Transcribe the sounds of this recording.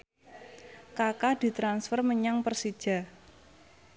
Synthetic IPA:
kakad̪̥i̤t̪ɾansfərməɲaŋpərsid̥ʒ̥a̤

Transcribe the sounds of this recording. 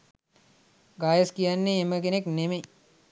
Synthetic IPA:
ɡaːjɐskijanːeːməɡenekneme

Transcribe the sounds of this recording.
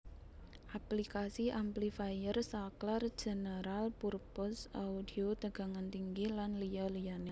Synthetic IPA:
ʔaplikasiamplifajərsaklar̥d͡ʒ̥ə̤nəɾalpurpʊsa̰udiot̪əɡ̥a̤ŋant̪iŋɡilanlijalijane

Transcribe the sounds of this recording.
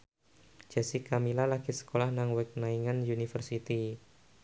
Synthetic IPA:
d͡ʒ̥ɛsikamilalakisə̥kolahnaŋwɛk̚naiŋanjunifərsit̪i

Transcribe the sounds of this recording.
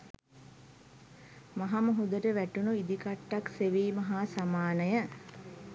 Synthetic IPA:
maɦaməɦud̪əʈəʋæʈunuid̪ikaʈːakseʋiːmaɦaːsamaːnəjə

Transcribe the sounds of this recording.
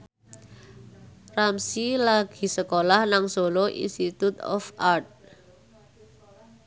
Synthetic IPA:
ramsilaɡ̥i̤səkolahnaŋsoloʔḭnst̪it̪ut̪ɔ̰fart̪̚

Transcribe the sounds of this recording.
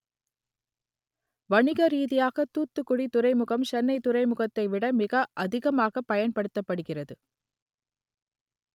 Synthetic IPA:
ʋɐɳɪɣɐɾiːðɪjaːɣɐt̪ːuːt̪ːɯkːʊɽit̪ʊrɐɪmɯɣɐmt͡ʃɛnːɐɪt̪ʊɾɐɪmʊɣɐt̪ːɐɪʋɪɽɐmɪɣɐʔɐðɪɣɐmaːɣɐpːɐjɐnpɐɽɯt̪ːɐpːɐɽɯɣɪrɐðɯ

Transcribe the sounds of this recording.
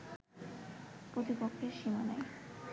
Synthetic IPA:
pɾot̪ipokʰːeɾʃimanaj

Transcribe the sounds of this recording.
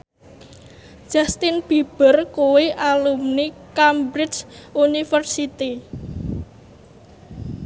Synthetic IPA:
ʒ̥ast̪ɪnb̥i̤b̥ərkuweʔalumnikambɾɪt͡ʃunifərsit̪i

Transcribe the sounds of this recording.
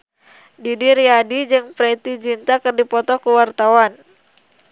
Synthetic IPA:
didiɾiadid͡ʒɨŋpɾɛt̪id͡ʒint̪akərdipɔt̪ɔkuwart̪awan

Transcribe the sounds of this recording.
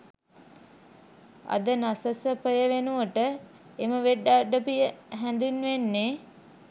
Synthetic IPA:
a̰d̪ənasəsəpəjəʋenuəʈə | eməʋeɖːaɖəpijəɦænd̪unʋenːe

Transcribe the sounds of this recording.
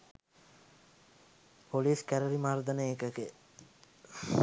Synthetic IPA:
pʰoliːskæɾəɾimaːrd̪ənəekəke

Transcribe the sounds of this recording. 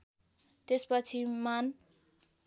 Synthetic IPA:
t̪espʌt͡sʰiman

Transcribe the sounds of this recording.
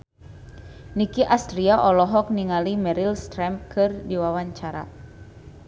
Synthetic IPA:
nikiʔast̪ɾiaʔɔlɔɦɔk̚niŋalimɛɾilst̪ɾɛmkʰɨrdiwawaɲt͡ʃaɾa̰

